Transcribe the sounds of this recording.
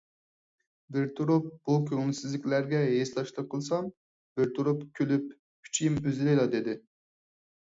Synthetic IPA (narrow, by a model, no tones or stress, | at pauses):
bɪɾt̪ʰuɾup̚b̥ukʲʰøwnsɪzlɪkʲlæɾɡʲɛɦeslˠɑʃlˠəqʰːəlˠsɑm | b̥ɪɾt̪ʰuɾupkʲʰølypʰ | y̥t͡ʃʰijimøzɪlɪjlˠɑd̪ed̪ɪ